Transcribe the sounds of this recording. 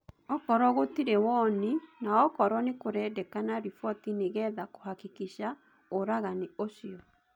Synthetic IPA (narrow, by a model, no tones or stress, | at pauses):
ɔkɔɾɔɣotiɾɛwɔninaɔkɔɾɔnekoɾɛːdɛkanaɾifɔtineɣɛðako̥hakikiɕa | oɾaɣanioʃiɔ